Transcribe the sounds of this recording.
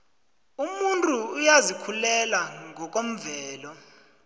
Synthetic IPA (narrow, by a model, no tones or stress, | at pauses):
umuntʼuːjazikʰulɛlaŋʱɔk̬ʼom̩vɛːlɔ